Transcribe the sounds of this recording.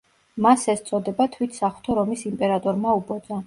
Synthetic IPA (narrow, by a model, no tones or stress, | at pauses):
masɛst̪sʼɔd̪ɛbat̪ʰwit̪ʰsaχt̪ʰɔɾɔmisimpʼɛɾat̪ʼɔɾmaubɔd̪za